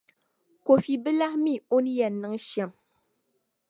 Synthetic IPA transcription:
ko˨fi˨bɨ˦la˦hmi˦˨o˦nɨ˦jɛ˨nːɨ˦ŋ˦ʃɛ˦m

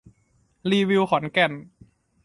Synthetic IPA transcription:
liː˧wi˧wkʰɔ˩˦nkɛ˨˩n

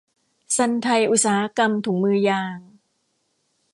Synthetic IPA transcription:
sa˧nt̪ʰa˧jʔu˧t̪̚saː˩˦ha˧˥ka˧mt̪ʰuː˩˦ŋmɯː˧jaː˧ŋ

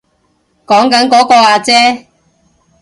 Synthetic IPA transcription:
kɔː˨˥ŋkɐ˨˥nkɔː˨˥kɔː˧aː˧t͡sɛː˥

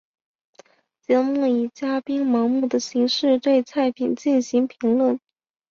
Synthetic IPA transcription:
t͡ɕjɑ˧˥ŋmu˥˩i˨˩t͡ɕja˥pi˥nmɑ˧˥ŋmu˥˩d̪ə˩ɕi˧˥ŋʂɻ̩˥˧t̪we˥˧ɪt͡sʰa˥˩ɪpʰi˨˩nt͡ɕi˥˩nɕi˧˥ŋpʰi˧˥ŋlwə˥˩n

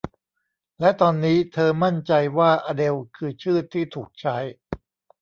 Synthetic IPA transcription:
lɛ˦˥t̪ɔː˧nːiː˦˥t̪ʰɤː˧ma˥˩nt͡ɕa˧jwaː˥˩ʔaː˧de˧wkʰɯː˧t͡ɕʰɯː˥˩t̪ʰːiː˥˩t̪ʰuː˨˩k̚t͡ɕʰa˦˥j

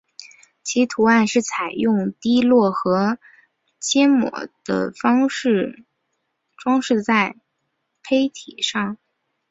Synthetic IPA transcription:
t͡ɕʰi˧˥t̪ʰu˧˥a˥˧nʂɻ̩˥˩t͡sʰa˨˩ɪjʊ˥˩ŋt̪i˥lwɔ˥˩xɤ˧˥ | t͡ɕjɛ˥nmwɔ̰˧˥˦d̪̥ə̰˧fɑ˥ŋʂɻ̩˥˩ | ʈ͡ʂwɑ˥ŋʂɻ̩˥˧t͡sa˥˩ɪ | pʰe˥ɪt̪ʰi˨˩ʂɑ˥˩ŋ

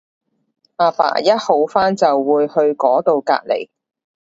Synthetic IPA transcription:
ʔaː˨fa̰ː˨˩jɐ˥t̚ho˨˥wfaː˥nt͡sɐ˨wːuː˨˧jhɵ˧ɥkɔː˨˥t̪o˨˧wka̰ː˧t̚lḛ˨˩j

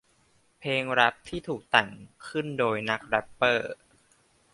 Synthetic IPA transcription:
pʰeː˧ŋɾa˦˥p̚t̪ʰiː˥˩t̪ʰuː˨˩k̚t̪ɛ˨˩ŋkʰɯ˥˩ndoː˧jna˦˥k̚ɾɛ˦˥pːɤː˥˩

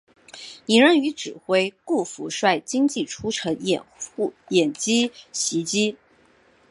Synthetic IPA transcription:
i˧˥ŋɻə˥ny˧˥ʈ͡ʂɻ̩˨˩xwe˥ɪku˥˩fu˧˥ʂwa˥˩ɪt͡ɕi˥ŋt͡ɕi˥˩ʈ͡ʂʰu˥ʈ͡ʂʰɤ˧˥ŋɛ̰˨˩nu˥˩jɛ˨˩nt͡ɕi˥ɕi˧˥t͡ɕi˥

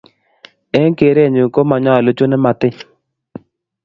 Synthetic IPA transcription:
ɛ˦ŋ˦ke˨˦ɾe˦ɛ˨ɲu˨ko˦ma˨ɲa˦a˨lo˦t͡ʃo˦nɛ˦ma˨tɪ˦

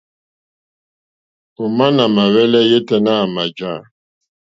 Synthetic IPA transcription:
o˨ma˦na˨ma˨wɛ˦lɛ˦je˦tɛ˦na˦˨ma˨d͡ʒa˦˨

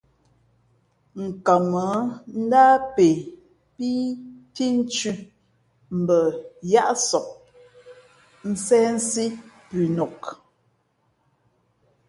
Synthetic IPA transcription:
ŋ̩˨ka˨mə˨˦n̩˦da˦pe˨ | pi˦ti˦n̩˦t͡ʃʉ˦ | m̩˨bə˨ja˦ʔsɔ˨ʔ̚ | n̩˦sɛ˦n̩˦si˦pʉ˨nɔ˨k

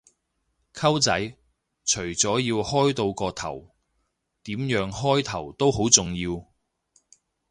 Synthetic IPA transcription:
kʰɐ˥wt͡sɐ˨˥j | t͡ʃʰɵ˨˩ɥt͡sɔː˨˥jiː˧whɔː˥jt̪o˧wkɔː˧t̪ʰɐ˨˩w | t̪iː˨˥mjœː˨˥ŋhɔː˥jt̪ʰɐ˨˩wt̪o˥who˨˥wt͡sʊ˨ŋjiː˧w

